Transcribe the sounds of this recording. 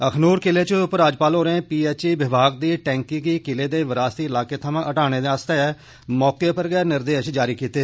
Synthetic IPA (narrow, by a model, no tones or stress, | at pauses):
əkʰnuːɾkɪleːt͡ʃəʊpɾaːd͡ʒpaːlɦoːɾeẽːpiːɛːt͡ʃiːʋɪbʱaːɡ̚d̪iːʈɛ̃ːŋkiːkiːkɪleːd̪eːʋəɾaːst̪iːɪlaːkeːt̪ʰəmãːʔəʈaːɽ̃eːd̪eːaːst̪eːɛː | mɔːkeːpəɾɡɛːɾnɪɾd̪eːʃd͡ʒaːɾiːkiːt̪eː